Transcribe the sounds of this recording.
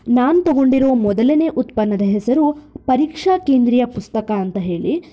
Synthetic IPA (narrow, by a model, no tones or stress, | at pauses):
naːnut̪ɐɡo̞ɳɖiɾo̞ːmɔd̪ɐlɐneʔut̪pɐnːɐd̪ɐɦɛsɐɾupɐɾiːkʂaːkeːnd̪ɾijɐpust̪ɐkaːnt̪ɐɦe̞ːɭi